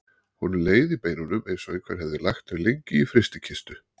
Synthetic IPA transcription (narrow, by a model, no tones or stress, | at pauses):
hunːʏleːjðipejnʏnʏmejnsɔɣɪkʰvɛ̰ɾ̥hɛvðɪlaxt̪ɛɾlejɲcɪifɾɪst̪ɪcʰɪst̪ʏ